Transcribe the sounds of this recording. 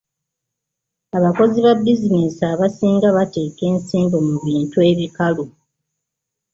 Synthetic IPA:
aβako̞ziβabːizinesaβasiːŋɡaβate̞ːke̞ːnsiːmbo̞muβiːntue̞βikalu

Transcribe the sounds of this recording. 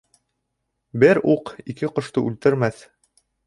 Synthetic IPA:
bɘɾuqikɘqŏʃt̪ɤʔʉlt̪ɘ̆ɾmæθ

